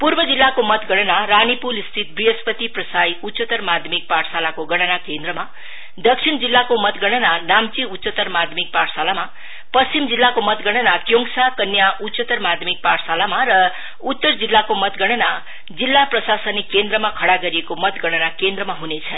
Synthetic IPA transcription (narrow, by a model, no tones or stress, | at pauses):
puɾbʌd͡zilːakomʌt̪ɡʌɽ̃ʌnaɾanipulist̪ʰit̪̚briɦʌspʌt̪iprʌsajut̪ːsət̪ʌrmad̪ʱjʌmik̚paʈʰsalakoɡʌɽ̃ʌnakend̪rʌma | d̪ʌksʰind͡zilːakomʌt̪ɡʌɽ̃ʌnanamt͡siutːsət̪ʌɾmad̪ʱmik̚paʈʰsalama | pʌst͡simd͡zilːakomʌt̪ɡʌɽ̃ʌnakjoŋsakʌnjaʔusət̪ʌrmad̪ʱmik̚paʈʰsalamaɾʌ | ut̪ːʌrd͡zilːakomʌt̪ɡʌɽ̃ʌna | d͡zilːaprʌsasʌnikend̪ɾʌmakʰʌɽaɡʌɾijekomʌt̪ɡʌɽ̃ʌnakend̪ɾʌmaɦunet͡sʰʌn